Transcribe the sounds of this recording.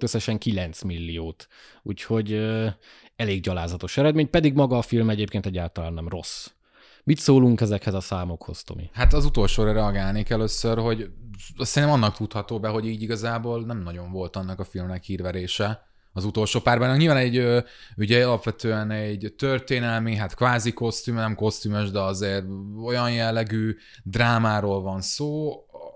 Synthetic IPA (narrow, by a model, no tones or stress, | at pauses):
øsːɛʃɛŋkilɛnt̪smilːijoːt̪ | ṵːcho̞ɟø | ɛleːɡɟɒlaːzɒt̪o̞ʃɛɾɛd̪meːɲpɛd̪iɡmɒɡɒːfilmɛɟeːpkeːnt̪ɛɟːaːlt̪ɒlaːnːɛmro̞̰s | mit̪soːluŋkɛzɛkhɛzɒsaːmo̞kho̞̰st̪o̰mḭhat̪ɒzut̪o̞lʃoːɾɛɾɛɒɡaːlniːkɛløːsørho̞ɟsɛɾinɛmɒnːɒkt̪ut̪hɒt̪oːbɛɦo̞ɟiːɟiɡɒzaːboːlnɛmnɒɟo̞ɱvo̞lt̪ɒnːɒkɒfilmnɛkhiːrvɛɾeːʃɛ | ɒzut̪o̞lʃoːpaːrbɛnɒkɲilvaːnɛɟøː | yɟɛɒlɒpʋɛt̪øːɛnɛɟt̪ørt̪eːnɛlmiɦat̪kvaːziko̞st̪yːmnɛmko̞st̪ymøʒd̪ɛɒzeːro̞jɒnjɛlːɛɡyː | d̪raːmaːɾoːlvɒnsoː